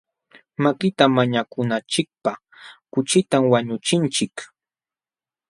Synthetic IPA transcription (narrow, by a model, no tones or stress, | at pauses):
makɪt̪amaɲakʊnat͡ʃɪk̚pa | kʊt͡ʃɪt̪amwaɲʊt͡ʃɪnt͡ʃɪk